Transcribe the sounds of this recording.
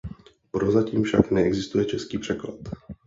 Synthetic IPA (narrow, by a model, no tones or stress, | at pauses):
pɾozaciːmfʃa̰knɛɛɡzɪst̪ujɛt͡ʃɛskiːpr̥ɛkla̰t̪